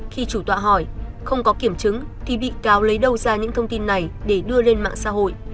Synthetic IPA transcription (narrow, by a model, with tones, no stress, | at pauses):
xi˧t͡ɕu˧˩t̪wa̰ː˧˨ɦɔ˧˩jxə˧wŋ͡mkɔ˨˦ki˧˩əmt͡ɕɨ˨˦ŋt̪ʰi˨˩ɓḭ˧˨kaː˨˦wlə˨˦jɗə˧wzaː˧ɲɨ̰˧˥ŋt̪ʰə˧wŋ͡mt̪i˧nːa˨˩jɗe˧˩ɗɨ˧əle˧nma̰ː˧˨ŋsa̰˧˥ɦo̰˧˨jʔ